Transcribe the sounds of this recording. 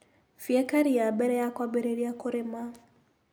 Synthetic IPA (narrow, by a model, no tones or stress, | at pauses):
fiɛkaɾiabɛɾɛjakwabɛɾɛɾiakʊɾema